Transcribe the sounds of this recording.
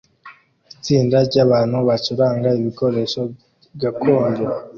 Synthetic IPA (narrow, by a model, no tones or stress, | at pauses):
it͡siːndaɾɟaβaːn̥huβat͡ʃuɾaːŋɡaiβiko̞ɾe̞ʃo | ɡakʰoːnde